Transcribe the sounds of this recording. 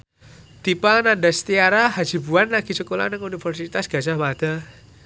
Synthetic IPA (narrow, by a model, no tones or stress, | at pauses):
t̪ipanandast̪iaɾahḁd͡ʒ̥i̤buanːaɡ̥i̤t͡ʃəkola̰nəŋunifərsit̪asɡ̥a̤d͡ʒahmad̪̥a